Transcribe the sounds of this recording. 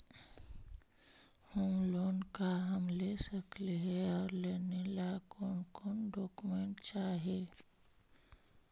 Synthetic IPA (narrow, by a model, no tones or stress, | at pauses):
humloːnkaɦəmlesəkleɦɛɔːɾleːnelakoːnkoːnɖɔːkumẽɳʈt͡ʃaːɦeː